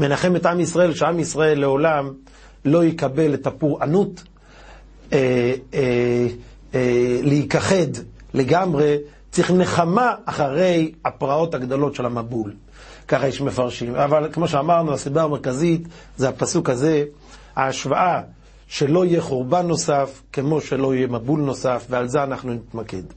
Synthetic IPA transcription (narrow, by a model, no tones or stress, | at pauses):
me̞naχe̞me̞t̪ʔamisʁae̞lʃeamisʁae̞lːe̞olam | lo̞jikabe̞let̪apuʁanut | e | leikaχe̞d̪ | le̞ɡamʁe̞ | t͡siχne̞χamaːχaʁe̞japʁao̞t̪haɡd̪o̞lo̞tʃe̞lhamabul | kaχajeʃme̞faʁʃimavalkmo̞ʃeamaʁnulasibaːmeʁkazit̪ | zehapasukaze̞ | haːʃvaʔa | ʃe̞lo̞ijeχoʁbanːo̞safke̞mo̞ʃe̞lo̞ijemabulno̞safvealzeanaχnunit̪make̞̰d̪